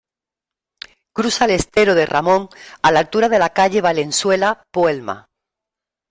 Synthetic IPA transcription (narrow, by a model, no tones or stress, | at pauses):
kɾusale̞st̪e̞ɾoðe̞rʔa̰mõ̞ŋalalt̪uɾaðe̞lakaʎe̞β̞ale̞nswe̞lapwelma̰